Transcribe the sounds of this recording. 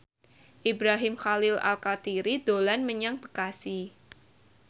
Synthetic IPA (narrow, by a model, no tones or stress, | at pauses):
ʔibɾaɦɪmxalɪla̰lkat̪iɾid̪olanməɲaŋb̥əkasi